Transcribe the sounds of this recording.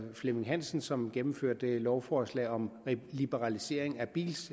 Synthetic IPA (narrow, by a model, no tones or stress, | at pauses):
fleme̝ŋɦæn̰sn̩sɒ̽mɡ̥emm̩føɐ̰d̥əlɒʊfɒːslɛ̰ːɒ̽mlib̥əʁɑlise̝ɐ̰e̝ŋæb̥ḭːls